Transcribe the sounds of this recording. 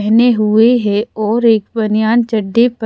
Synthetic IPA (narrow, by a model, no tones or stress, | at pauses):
ɦneɦʊeɦɛɔːɾeːkbɐnijaːnt͡ʃɐɖːep